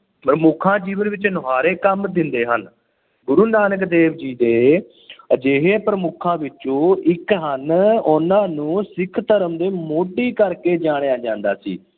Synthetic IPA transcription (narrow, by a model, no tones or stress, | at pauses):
pɾəmʊkʰãːd͡ʒiːʋənʋɪt͡ʃnoɦaːɾeːkəmd̪ɪnd̪eːɦən | ɡʊɾuːnaːnəkd̪eːʋd͡ʒiːd̪eː | əd͡ʒeːɦeːpɾəmʊkʰãːʋɪt͡ʃõːɪkɦənʊnãːnũːsɪkʰt̪əɾəmd̪eːmoːɖiːkəɾkeːd͡ʒaːɽ̃ejaːd͡ʒãːnd̪aːsḭː